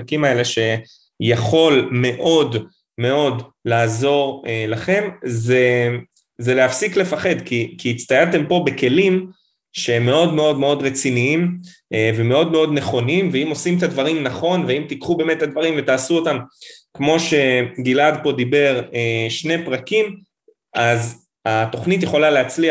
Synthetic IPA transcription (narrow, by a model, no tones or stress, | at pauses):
akimaele̞ʃe̞ | jaχo̞lme̞ʔo̞d | me̞o̞d | laːzo̞ʁelaχe̞mze | zeleafsikle̞faχe̞d̪kikiːt͡st̪ajalt̪e̞mpo̞beke̞lim | ʃeemːe̞o̞d̪me̞o̞d̪me̞o̞d̪ʁet͡siniim | eveme̞o̞d̪me̞o̞d̪neχo̞nimveimo̞simt̪ad̪vaʁimnaχo̞nveimt̪ikχube̞ːmet̪ːad̪vaʁimvet̪aːsuotamkmo̞ʃe̞ɡilad̪po̞d̪ibe̞ʁeʃne̞pʁakim | az | at̪o̞χnit̪̬jeχo̞laleat͡slia